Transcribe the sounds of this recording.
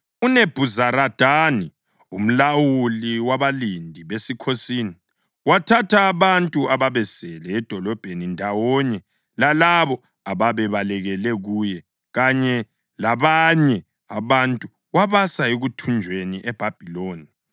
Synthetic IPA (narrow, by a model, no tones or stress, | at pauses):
uneb̥ʱuzaɾad̥ʱaːni | um̩lawuliwaβalindʱiβesikʰosiːni | watʰatʰaːβantʼuaβaβɛsɛlɛːd̥ʱɔlɔb̥ʱenindʱawɔɲɛ | lalaβɔ | aβaβɛβalɛɣɛlɛɣujɛ | ɣaɲɛ | laβaɲɛ | aβantʼu | waβasaeɣutʰund͡ʒʱweniʔɛb̥ʱab̥ʱiloːni